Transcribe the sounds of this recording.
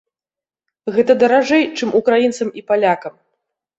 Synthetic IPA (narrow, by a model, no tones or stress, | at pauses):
ɣɛt̪ɐd̪ɐɾaʐɛjt͡ʂɨmukɾajint̪sɐmipalʲakɐm